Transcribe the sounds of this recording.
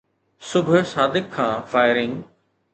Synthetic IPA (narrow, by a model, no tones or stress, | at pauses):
sʊbʱʊsaːd̪ɪkʰːãːfaːɪɾɪ̃ŋ